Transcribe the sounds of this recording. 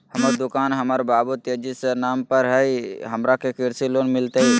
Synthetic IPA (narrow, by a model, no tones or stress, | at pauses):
həməɾd̪ʊkaːnɦəməɾbaːbut̪ed͡ʒisenaːmpəɾɦəiɦəmɾakekɪɾsiloːnmɪlt̪ei